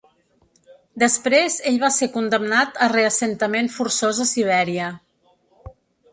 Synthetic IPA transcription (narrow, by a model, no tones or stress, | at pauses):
d̪əspɾezeʎβasekund̪əmnat̪əreəsənt̪əmenfuɾsozəsiβ̞ɛɾiə